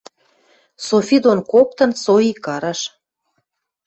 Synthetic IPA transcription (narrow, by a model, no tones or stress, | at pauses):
sofʲid̪onkop̚t̪ɤ̆nsoikɑɾɑʃ